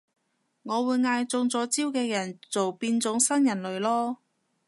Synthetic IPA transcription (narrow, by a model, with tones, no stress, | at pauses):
ŋɔː˨˧wuː˨˧jŋaː˧jt͡sʊ˧ŋt͡sɔː˨˥t͡siː˥wkɛː˧jɐ˨˩nt͡so˨wpiː˧nt͡sʊ˨˥ŋsɐ˥njɐ˨˩nlɵ˨˧ɥlɔː˥